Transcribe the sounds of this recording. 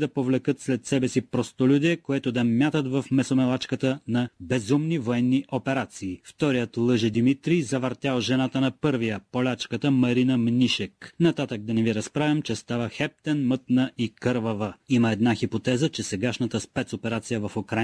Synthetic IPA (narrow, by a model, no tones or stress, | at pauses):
d̪ɐpovlɛkət̪slɛt̪sɛbɛsipɾost̪olʲud̪ɛkoɛt̪od̪ɐmʲjat̪ət̪vɐfmɛsomɛlˠat͡ʃkət̪ənɐbɛzumnivoɛnːiʔopɛɾat̪siːft̪ɔɾijət̪lˠɤʒɛd̪imit̪ɾizɐvɐɾt̪ʲalˠʒɛnat̪ənɐpɤɾvijəpolʲat͡ʃkət̪əmɐɾinəmnʲiʃɛknɐt̪at̪əɡ̚d̪ɐnɛviɾɐspɾavʲɐmt͡ʃɛst̪avəxɛp̚t̪ɛnmət̪nəʔikɤɾvɐvəiməɛd̪naxipot̪ɛzət͡ʃɛsɛɡaʃnət̪əspɛt̪sopɛɾat̪sijəvɐfokɾa